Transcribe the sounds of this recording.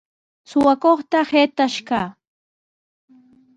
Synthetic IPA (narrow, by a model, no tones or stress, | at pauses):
sʊwakoχt̪aheːt̪aʃkaː